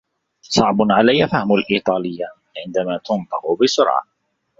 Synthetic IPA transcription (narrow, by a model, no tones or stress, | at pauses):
sˤɑʕbʊnʕalajːafahmʊlʔiːt̪ˤɑːlɪjːa | ʕɪnd̪amaːt̪ʊnt̪ˤɨqʊbɪsʊɾʕɑ̰